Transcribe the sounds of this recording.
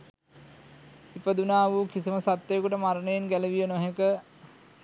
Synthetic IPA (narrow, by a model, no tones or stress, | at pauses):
ipəd̪unaːʋuːkisiməsat̪ːejkuʈəmaɾənəjenɡæləʋijənoɦekə